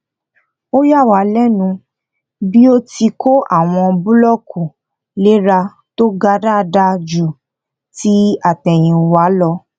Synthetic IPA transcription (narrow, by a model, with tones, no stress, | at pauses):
o˦ja˦˨wa˨˦lɛ˦nũ˧ | bi˦o˦ti˧kʰo˦ʔa˦˨w̃ɔ̃˧bu˦lɔ˦˨kʰu˨ | le˦ɾa˧ | to˦ɡa˧da˦˧da˧d͡ʒu˨ | ti˦a˦˨tɛ˨j̃ĩ˨wa˨˦lɔ˧